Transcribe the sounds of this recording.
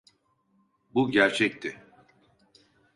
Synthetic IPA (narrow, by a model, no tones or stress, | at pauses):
buɟæɾt͡ʃʰɛc̚t̪ʰɪ